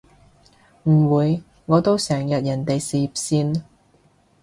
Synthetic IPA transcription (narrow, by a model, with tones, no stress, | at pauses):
m̩˨˩wuː˨˧j | ŋɔː˨˧t̪o˥wsɛː˨˩ŋjɐ˨t̚jɐ˨˩nt̪e˨jsiː˧p̚siː˥n